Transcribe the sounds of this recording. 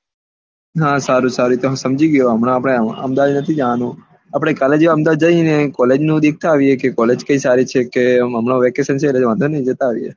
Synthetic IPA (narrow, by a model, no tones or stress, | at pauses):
ɦãsaɾũsaɾut̪oɦsəmd͡ʒiɡjoɦəmɽ̃ãapɽ̃eə̰md̪aʋd̪nət̪ʰid͡ʒanũ | apɽ̃ekaled͡ʒʋaəmd̪aʋd̪̚d͡ʒəinekɔled͡ʒnũd̪ik̚ʰt̪aːʋiekekɔled͡ʒkə̃isaɾit͡ʃʰekeəmɳoʋɛkesənt͡ʃʰeːleʋãnd̪ʱonəĩd͡ʒət̪aʋiḛ